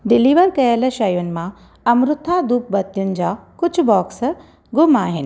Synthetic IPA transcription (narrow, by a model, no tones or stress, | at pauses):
ɖɪliːʋəɾkɐjəlɐʃɐjʊnɪ̆mã | ɐmɾʊt̪ʰad̪uːp̚bɐt̪ːjʊnɪ̆d͡ʑaːkʊt͡ʃʰbɔːks | ɡʊmaːɦɪn